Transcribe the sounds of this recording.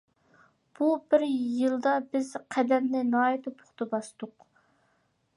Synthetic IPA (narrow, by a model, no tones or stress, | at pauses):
b̥ubɪɾjɨlˠd̪ɑbɪzqʰɛd̪ɛmnɪnɑːit̪ʰɨpʰʊ̥χt̪ʰɨbɑsd̪ʊq